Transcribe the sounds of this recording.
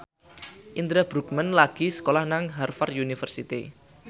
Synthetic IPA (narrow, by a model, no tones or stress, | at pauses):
ʔind̪ɾab̥ɾuk̚mənlaɡ̥i̤sə̥kolahnaŋɦarfarunifərsit̪ḭ